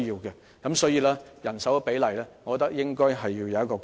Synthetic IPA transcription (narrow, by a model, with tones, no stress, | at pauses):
jiː˧wkɛː˧ | kɐ˨˥msɔː˨˥jiː˨˧laː˥jɐ˨˩nsɐ˨˥wpe˨˥jlɐ˨˩jlaː˥ŋɔː˨kɔ˧t̪ːɐ˥k̚jɪ˥ŋkɔː˥jɦɐ˨jːiː˧wjɐ˨wɐ˥tkɔː˧k